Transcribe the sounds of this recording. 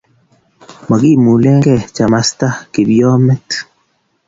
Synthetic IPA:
ma˨ɡi˦˨mu˨le˦ŋɡɛ˦˨t͡ʃa˨ma˦st̪a˦ki˨bjɔ˦mɛ˦t

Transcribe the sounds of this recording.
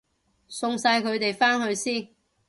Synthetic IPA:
sʊ˧ŋsaː˧jkʰɵ˨˧ɥt̪e˨jfaː˥nhɵ˧ɥsiː˥n

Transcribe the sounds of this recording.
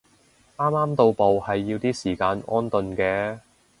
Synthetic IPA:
ʔaː˥maː˥mt̪o˧wpo˨whɐ˨jːiː˧wt̪iː˥siː˨˩kaː˧nʔɔː˥nt̪ɵ˨˧nkɛː˧

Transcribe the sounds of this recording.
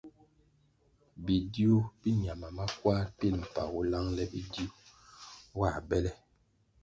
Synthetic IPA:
bi˨di˦o˦bi˦ɲ˨a˨ma˨ma˦kwa˦ɾpi˦˨lm̩˨pa̰˨ɣu˦la˦ŋlɛ˦bi˦di˦o˦ | wa˦˨bɛ˦lɛ˦

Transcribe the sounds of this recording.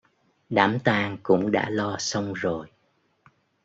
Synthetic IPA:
ɗaː˧˦mt̪aː˧ŋkʊ̰˧˥ŋ͡mɗa̰ː˧˥lɔ˧sə˧wŋ͡mzo˨˩j

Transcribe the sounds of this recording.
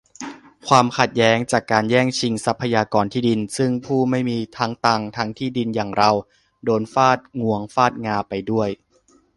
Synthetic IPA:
kʰwaː˧mkʰa˨˩t̪̚jɛː˦˥ŋt͡ɕaː˨˩kːaː˧njɛː˥˩ŋt͡ɕʰi˧ŋsa˦˥pʰːa˧jaː˧kɔː˧nt̪ʰiː˥˩di˧nsɯ˥˩ŋpʰuː˥˩ma˥˩jmiː˧t̪ʰaː˦˥ŋt̪a˧ŋt̪ʰa˦˥ŋt̪ʰiː˥˩di˧njaː˨˩ŋɾa˧w | doː˧nfaː˥˩t̪̚ŋu˧˩˥əŋfaː˥˩t̪̚ŋaː˧pa˧jdu˥˩əj

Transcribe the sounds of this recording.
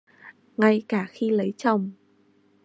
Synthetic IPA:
ŋa˧jkaː˧˩xi˧lə˨˦jt͡ɕɔ˨˩wŋ͡m

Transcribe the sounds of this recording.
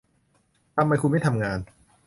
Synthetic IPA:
t̪ʰa˧mːa˧jkʰu˧m˥˩t̪ʰa˧mŋaː˧n

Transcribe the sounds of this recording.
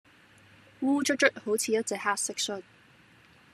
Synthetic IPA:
wuː˥t͡ʃɵ˥t͡ʃɵ˥t̚ho˨˥wt͡sʰiː˧jɐ˥t̚t͡sɛː˨˩ha˥tsɛ˥k̚sɔ˥t̚

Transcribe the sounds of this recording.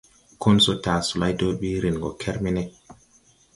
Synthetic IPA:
kʰo˦nso˦ta˨su˨la˦jto˦ɓi˦ɾi˨nɡo˨kʰe˦ɾmi˦ne˦k

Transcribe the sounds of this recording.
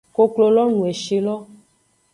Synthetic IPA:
ko˦klo˨lɔ˦nũ˨e˨ʃi˨lɔ˦

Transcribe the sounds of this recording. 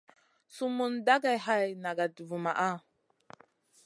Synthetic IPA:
su˦mu˦nda˦ɡa˨jɦa˦jna˨ɡa˨du˨vu˨ma̰˨ʔa˦

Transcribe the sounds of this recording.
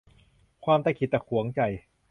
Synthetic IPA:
kʰwaː˧mt̪a˧˥˩kʰi˨˦t̪̚t͡ɕɛ˨˩kʰu˨˩˦əŋt͡ɕa˨˩j

